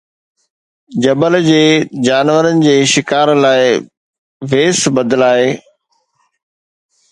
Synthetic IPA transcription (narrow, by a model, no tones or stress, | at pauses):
d͡ʑɐbəld͡ʑeːd͡ʑaːnʋəɾənɪ̆d͡ʑeːʃɪkaːɾlaːɪ | ʋeːsbɐd̪əlaːɦeː